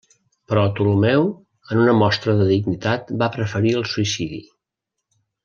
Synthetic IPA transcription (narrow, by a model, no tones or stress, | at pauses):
pɾɔt̪ulumɛw | ənunəmɔst̪ɾəðəðiɡnit̪at̪bapɾəfəɾiəlˠsuisiðḭ